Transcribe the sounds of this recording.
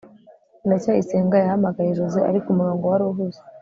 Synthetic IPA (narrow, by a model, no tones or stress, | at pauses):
nacaiseːŋɡajahamaɡajeʒozeʔa̰ɾikumuɾoːŋɡowaɾuɦuze̥